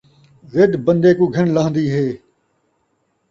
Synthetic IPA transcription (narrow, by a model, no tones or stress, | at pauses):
zɪd̪bə̃nd̪eːkũːɡʱəɳlãːnd̪iːɦeː